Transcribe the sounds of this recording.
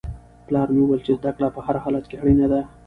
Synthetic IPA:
plɑɾmeuwəlt͡ʃezd̪aklapəhaɾhɑlat̪keɽinad̪a

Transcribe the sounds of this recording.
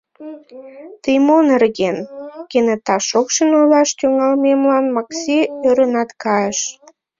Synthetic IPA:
t̪əjmonerɣenkenet̪ɑʃokʃənojlɑʃt̪yŋɑlmemlɑnmɑksiøɾə̆nɑt̪kɑjeʃ

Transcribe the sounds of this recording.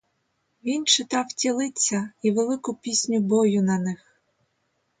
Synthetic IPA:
ʋʲint͡ʃɪt̪ɑwtʲilˠɪt͡sʲːɐiʋelˠɪkʊpʲisʲnʲʊbɔjʊnɐnɪx

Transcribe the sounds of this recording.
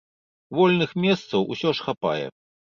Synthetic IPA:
vɔlʲnɨxmʲɛst̪sɐwʔṵsʲɔʂxapa̰jɛ̰

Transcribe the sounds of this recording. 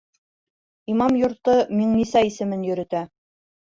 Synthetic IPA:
imɑmjŏɾt̪ɤmiŋnisæisɘ̆mɘnjɵ̆ɾɘ̆t̪æ

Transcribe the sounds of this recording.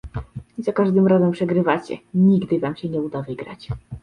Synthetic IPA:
izakaʐd̪ɘmɾazɛmpʂɛɡɾɘvat͡ɕɛ̰ɲiɡd̪ɘvamɕɛɲɛud̪avɘɡɾa̰t͡ɕ

